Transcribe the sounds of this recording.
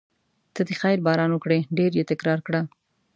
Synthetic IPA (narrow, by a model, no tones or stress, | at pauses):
t̪əd̪exajɾbɑɾɑnwəkɽeɖeɾjet̪ɪkɾɑɾkɽa